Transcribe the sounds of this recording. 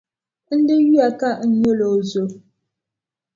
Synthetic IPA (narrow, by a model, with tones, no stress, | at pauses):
n̩˦də˦ɣɥa˨ka˦˨ʔɲə˦lo˨zo˨